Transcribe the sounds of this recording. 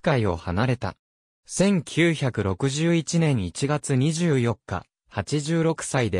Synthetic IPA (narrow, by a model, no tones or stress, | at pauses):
kaio̞̰hanaɾe̞t̪a̰ | sẽ̞ŋkʲʰɨːçakɯ̟ɾo̞kɯ̟ʑɨːit͡ɕinẽ̞ɰ̃it͡ɕiɡat͡sɨɲ̟iʑɨːjo̞kːa̰ | hat͡ɕiʑɨːɾo̞kɯ̟̥said̪e̞